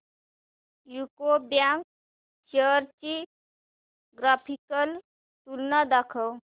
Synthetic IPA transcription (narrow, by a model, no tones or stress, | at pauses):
jukobjaŋk̚ | t͡ʃəɾt͡ʃi | ɡɾapʰikəl | t̪ulnad̪akʰəw